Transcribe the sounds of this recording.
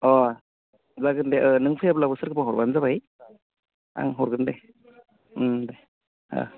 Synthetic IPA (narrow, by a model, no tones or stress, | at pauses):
ɔ | zaɡɯndeʔɯnɯŋpʰɯjablabɯsɯɾkʰɯpʰaɦɔɾbanzabaj | a̰ŋɦɔɾɡɯnde | da | a̰